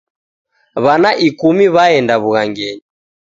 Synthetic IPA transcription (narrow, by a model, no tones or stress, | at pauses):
βanaʔikumiβaɛndaβuɣaŋɡɛɲi